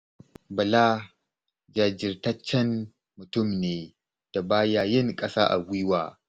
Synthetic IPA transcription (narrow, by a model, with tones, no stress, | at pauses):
bɐ˨laː˦ | d͡ʒaː˨d͡ʒɪ˨rtɐ˦t͡ʃːɛ˦n | mʊ˨tʊ˦˨mneː˨ | d̥a˨baː˦jaː˦jɪ˦ŋkʼɐ˦sa̰ː˦ʔa̰˨ɡʷiː˦waː˨